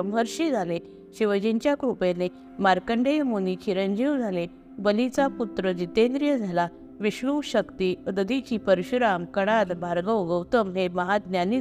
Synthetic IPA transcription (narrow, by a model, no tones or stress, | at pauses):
mɦəɾɕid͡zʱale | ɕiʋəd͡ʑĩɲt͡ɕjakɾupene | maɾkəɳɖejmonikʰiɾəɲd͡ʑiwd͡zʱale | bəlit͡saput̪ɾəd͡ʑit̪ːẽnd̪ɾijəd͡zʱala | ʋiɕɾuʋɕəkt̪iəd̪əd̪it͡ɕipəɾɕuɾamkəɽ̃at̪bʱaɾɡəɡəwt̪əmɦeməɦad̪njani